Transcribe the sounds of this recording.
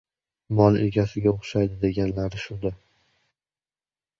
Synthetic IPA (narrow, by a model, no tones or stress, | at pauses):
mɒlˠeɡʲasɪɡʲaoχʃajd̪ɪd̪e̞ɡʲanlaɾɪʃʊd̪a